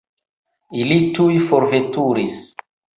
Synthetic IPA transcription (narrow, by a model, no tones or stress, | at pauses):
ilitujfoɾvetuɾis